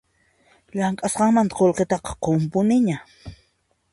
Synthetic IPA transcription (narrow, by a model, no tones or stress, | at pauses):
ʎaŋkʼasqɑŋmant̪ḁqolqet̪ɑqɑ̥qompʊnɪɲa